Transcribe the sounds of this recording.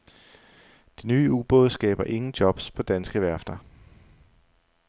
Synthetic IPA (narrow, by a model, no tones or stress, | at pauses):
d̥enyːub̥ɔ̽ðˠsɡ̥ɛ̰ːb̥ɐʔe̝ŋn̩d̥jɒ̽b̥spʰɒ̽d̥ænsɡ̥əʋæɐfd̥ɐ